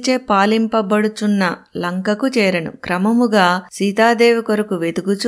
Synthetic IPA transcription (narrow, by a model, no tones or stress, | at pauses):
t͡ʃeːpaːlimpɐbɐɽut͡ʃunːɐlɐŋkɐkut͡ʃɛːɾɐnṵkɾɐmɐmuɡaːsiːt̪aːd̪eːʋukoɾɐkuʋe̞d̪uɡut͡ʃ